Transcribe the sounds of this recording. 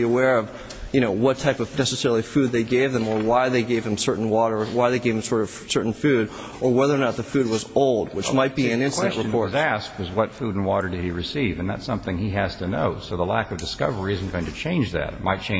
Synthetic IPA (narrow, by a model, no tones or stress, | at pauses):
iəwɛɹʌv | jɨñoʊwʌtʰaɪpʌv̥nɛsəsɛɹl̩ˠi̥fʉd̪̚ðeɪɡeɪvðɨ̃mə˞waɪðeɪɡeɪv̥ɨ̃m̩sɜ˞ʔn̩wɔɾə˞waɪðeɪɡeɪv̥ɨ̃msɔɹɾʌv̥sɜ˞ʔn̩fʉɾ | ʔə˞wɛðə˞nət̪̚ðɨfʉd̚wʌzoʊlˠd̚wɨt͡ʃmaɪt̚b̥iɨ̃nɪ̃nsɨ̃nʔɹəpɔɹzæsk̚wʌzwʌtfuɾn̩wɔɾə˞dɨɾ̚iɹɨsivɨ̃nðæ̰tsʌ̃mθɪ̃ŋiæz̥tʰɨno̰ʊsoʊðəlækʌvdɨskʌ̰və˞iɪzn̩ɡ̥oʊɪ̃ŋtʰɨt͡ʃʰẽɪ̃nd͡ʒðæ̰t̚maɪt̚t͡ʃʰẽ